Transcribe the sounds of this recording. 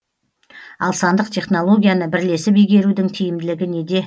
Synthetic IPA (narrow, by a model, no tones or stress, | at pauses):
ɑlˠsɑnd̪əqt̪ʰe̞χno̞lˠo̞ɡʲijanəbɪɾle̞sɪpijɡʲe̞ɾud̪ɪŋt̪ʰijɪmd̪ɪlɪɡʲɪne̞d̪e̞